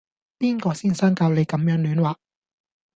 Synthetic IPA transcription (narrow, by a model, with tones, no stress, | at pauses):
piː˥nkɔː˧siː˥˩nsaː˥ŋkaː˧wle˨˧jkɐ˨˥mjœː˨˥ŋlyː˨˥nwaː˨˩